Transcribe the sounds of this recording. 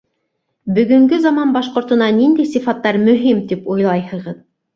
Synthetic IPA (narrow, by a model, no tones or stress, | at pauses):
bɵ̆ɡɵ̆ŋɡɵzɑmɑnbɑʃqŏɾt̪ɤ̆nɑnind̪æjsifɑt̪ːɑɾmɵ̆ɦimt̪ipojlˠɑjhɤ̆ʁɤð